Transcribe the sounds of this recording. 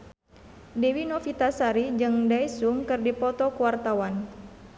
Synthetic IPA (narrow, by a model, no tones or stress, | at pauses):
dewinɔfit̪asaɾid͡ʒɨŋdaisuŋkɨrdipɔt̪ɔkuwart̪awan